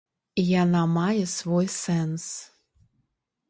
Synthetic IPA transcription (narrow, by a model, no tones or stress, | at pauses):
ijanɑmajɛsvojsɛns